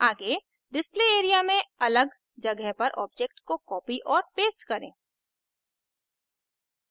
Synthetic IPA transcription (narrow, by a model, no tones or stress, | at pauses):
aːɡe | ɖɪspleːeːɾijamẽɐləɡ | d͡ʒɐɡəɦpɐɾʔɔ̰ːb̚d͡ʒek̚ʈkokɔːpiʔɔːɾpeːsʈkɐɾḛ̃ː